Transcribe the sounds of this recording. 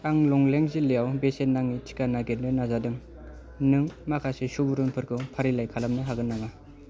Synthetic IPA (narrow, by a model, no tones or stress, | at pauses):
aŋlɔŋleŋzilejawbesenːaŋːitʰi̥kanaɡedɯnazadɯŋ | nɯŋmakʰasesubuɾunpʰɯɾkʰɯpʰaɾilajkʰalamnɯɦaɡɯnːama